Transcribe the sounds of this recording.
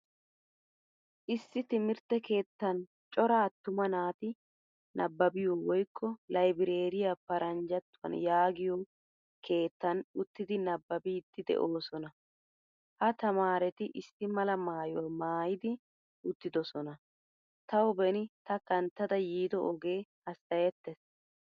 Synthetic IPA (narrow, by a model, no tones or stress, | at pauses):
ʔɪsːɪt̪ɪmɪɾt̪ːɛke̞ːt̪ːɐn | t͡ʃʼɔɾaːt̪ːʊmɐnaːt̪ɪ | nʔɐbːɐbɪjɔwɔjkʰːɔlɐjbɪɾeːɾɪjapɐɾɐnd͡ʒɐt̪ːʊwɐ̰njaːɡɪjɔ | kʰe̞ːt̪ːɐnʊt̪ːɪd̪ɪnɐbːɐbid̪ːɪd̪ɛ̰ʔoːsɔnɐ | hɐt̪ɐmaːɾɛt̪ɪʔɪsːɪmɐlɐmaːjɔmaːjɪd̪ɪ | ʔʊt̪ːɪd̪ɔsɔnɐ | t̪ɐwbɛnɪt̪ɐkɐnt̪ːɐd̪ɐjiːd̪ɔʔɔɡe̞ːhɐsɐjɛt̪ːɛs